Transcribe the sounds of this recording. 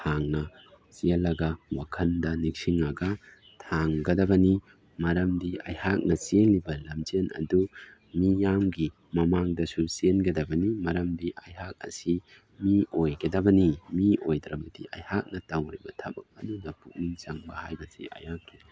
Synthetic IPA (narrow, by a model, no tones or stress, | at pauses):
tʰaŋnɐ | siɐlɐɡɐwakʰɐndɐnik̚siŋɐɡɐ | tʰaŋɡɐdɐbɐni | mɐɾɐmdiɐjhak̚nɐsenlːibɐlɐmt͡ʃenɐ̰du | mijamɡi | mɐmaŋdɐsusenɡɐdɐbɐnimɐɾɐmdiʔɐjhak̚ɐ̰si | miojɡɐdɐbɐnimiojdɾɐbɐdiʔɐjhak̚nɐtɐwɾibɐtʰɐbɐk̚ɐdunɐpuk̚niŋt͡ʃɐŋbɐhajbɐsḭʔɐ̰jhakːi